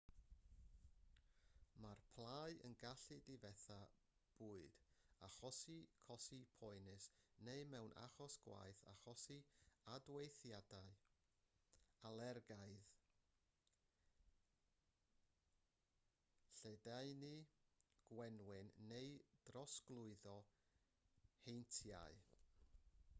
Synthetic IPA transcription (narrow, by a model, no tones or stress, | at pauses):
marpʰlˠajə̰nɡaɬɨdivɛθa | b̥uːɨd̥aχɔsikʰɔsipʰɔɨnɨsneɨmɛwnʔa̰χɔsɡ̥wa̰jθa̰χɔsiadwejθjadaɨ | alˠɛrɡaɨð | ɬedaɨniɡ̥wɛnwɪnːeɨd̥rɔsɡlˠʊɨðɔ | hejntʰja̰ɨ